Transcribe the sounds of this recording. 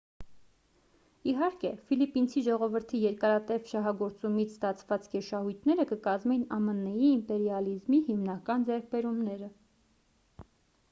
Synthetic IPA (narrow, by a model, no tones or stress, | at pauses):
iɦɑɾkɛfilipint͡sʰiʒɔʁɔvəɾt̪ʰijɛɾkɑɾɑt̪ɛvʃɑɦɑɡɔɾt͡sumit͡sʰst̪ɑt͡sʰvɑt͡skɛʃɑhujt̪ʰnɛɾəkəkɑzmɛjnɑmənːɛjiːmpɛɾjɑlizmihimnɑkɑnd͡zɛɾk̚ʰbɛɾumnɛɾə